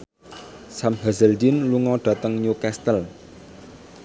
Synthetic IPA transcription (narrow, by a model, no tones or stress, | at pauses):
samɦazəldinluŋɔɖ̥a̤t̪əŋɲukɛst̪əl